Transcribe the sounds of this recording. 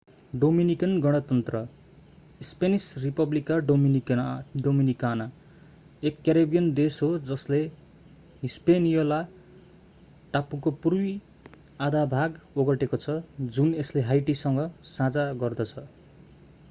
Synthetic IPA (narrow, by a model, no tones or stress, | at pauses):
ɖominikʌnɡʌɽ̃ʌt̪ʌnt̪rʌ | spenisripʌblikaɖm | ɖominikana | ekːaɾebijʌnd̪esɦod͡zʌsle | ispenijola | ʈapukopurwi | ad̪abʱaɡoɡʌʈekot͡sʰʌd͡zunesleɦajʈisʌŋɡʌsãd͡zaɡʌrd̪ʌt͡sʰʌ